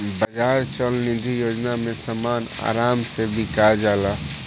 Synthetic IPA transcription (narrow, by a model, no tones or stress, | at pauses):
bɐd͡ʒaːɾt͡ʃəlnɪd̪ʱijoːd͡ʒnamẽsəmaːna̰ːɾaːmsebʱikad͡ʒaːlaː